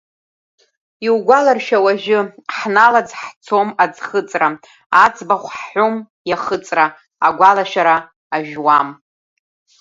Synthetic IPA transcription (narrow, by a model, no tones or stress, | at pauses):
iwɡʷalarʃawaʒɪħnalad͡zħt͡sʰo̞mad͡zχət͡sʼra | at͡sʰʼbaχʷħħom | jaχət͡sʼraː | ɡʷalaʃaɾaː | ʒᶣwam